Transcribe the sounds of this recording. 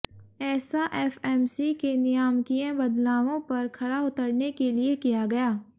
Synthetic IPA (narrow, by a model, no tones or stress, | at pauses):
ɛːsaʔɛːfɛːmsikenɪjaːmkiãbɐd̪laːʋõpɐɾkʰɐɽaʊt̪əɾnekeliekijaɡɐjaː